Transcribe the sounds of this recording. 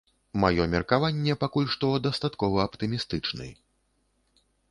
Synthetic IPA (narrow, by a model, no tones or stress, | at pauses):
majɔmʲɛrkavanʲːɛpakulʲʂt̪ɔd̪ɐst̪at̪kɔvɐːpt̪ɨmʲist̪ɨt͡ʂnɨ̰j